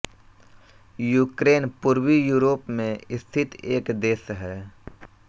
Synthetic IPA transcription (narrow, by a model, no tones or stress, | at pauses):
juːkɾeːnpʊɾwijuːɾoːpmẽɪst̪ʰɪt̪eːkd̪eːsɦɛː